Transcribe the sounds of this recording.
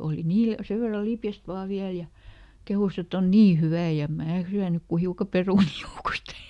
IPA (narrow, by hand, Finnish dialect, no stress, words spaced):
oli niːl seʋ ʋerːɑ lipjæst ʋɑː ʋiæl jɑ kehus et on niː hyʋæˑ jɑ em mæː syænyk ku hiukɑ peruniˑ joukost